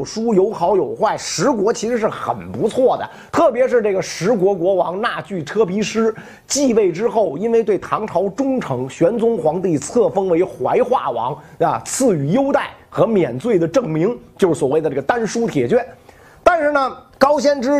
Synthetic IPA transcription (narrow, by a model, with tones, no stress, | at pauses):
ʂu˥jo˧˥ʊxɑ˧˥ʊjo˨˩ʊxwa˥˩ɪʂɻ̩˧˥kwɔ˧˥t͡ɕʰi˧˥ʂɻ̩˧˥ʂ̬ɻ̩˥˩xə̰˨˩npu˧˥t͡sʰwɔ˥˩d̪ə̰˩ | t̪ʰɤ˥˩pjɛ˧˥ʂɻ̩˥˧ʈ͡ʂɤ˥˩ɡə˩ʂɻ̩˧˥kwɔ˧˥kwɔ˧˥wɑ˧˥ŋna˥˧˩t͡ɕy˥˩ʈ͡ʂʰɤ˥pi˧˥ʂɻ̩˥ | t͡ɕi˥˧we˥˩ɪʈ͡ʂɻ̩˥xo˥˩ʊi˥nwe˥˧ɪt̪we˥˩ɪt̪ʰɑ˧˥ŋʈ͡ʂʰɑ˧˥ʊʈ͡ʂʊ˥ŋʈ͡ʂʰɤ˧˥ŋɕɥɛ˧˥nt͡sʊ˥ŋxwɑ˧˥ŋt̪i˥˩t͡sʰɤ˥˩fɤ˥ŋwe˧˥ɪxwa˧˥ɪxwa̰˥˩wɑ̰˧˥ŋə˧t͡sʰɹ̩˥˩y˨˧˩jo˥ʊt̪a˥˩ɪxɤ˧˥mjɛ˨˩nt͡swe˥˩ɪd̪ə˩ʈ͡ʂɤ˥˩ŋmi˧˥ŋt͡ɕjo˥˧ʂ̩˥˩swɔ˨˩we˥˩ɪə˩ʈ͡ʂɤ˥˩ɡə˩t̪a˥nʂu˥t̪ʰjɛ˨˩t͡ɕɥɛ˥ | t̪a˥˧nʂɻ̩˥˩nə˩ | kɑ˥ʊɕjɛ˥nʈ͡ʂɻ̩˥